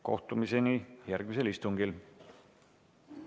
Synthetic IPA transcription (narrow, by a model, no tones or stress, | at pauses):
ko̞̰ht̪umise̞nijærɡ̥mis̬e̞list̪uŋɡ̥il